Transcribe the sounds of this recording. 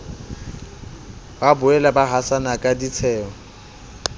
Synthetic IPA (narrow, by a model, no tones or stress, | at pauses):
babʊɛlabaɦasanakʼadit͡sʰɛːŋɔ